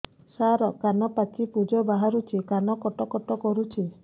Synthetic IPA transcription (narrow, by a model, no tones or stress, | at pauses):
saɾɔkanɔpakipud͡ʒɔbaɦaɾut͡ʃʰikanɔkɔʈɔkɔʈɔkɔɾut͡ʃʰi